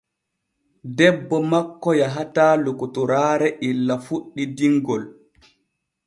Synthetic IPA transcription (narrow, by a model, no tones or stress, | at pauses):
dɛbːɔmakːɔjaɦataːlokutɔɾaːɾɛʔilːafuɗːidiŋɡɔl